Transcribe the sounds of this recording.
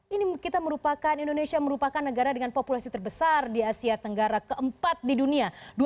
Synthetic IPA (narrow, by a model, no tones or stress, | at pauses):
inikit̪aməɾupakanindonesiaməɾupakanːəɡaɾadəŋanpopulasit̪ərbəsardiasiat̪əŋɡaɾakəʔəmpat̪̚diduniadu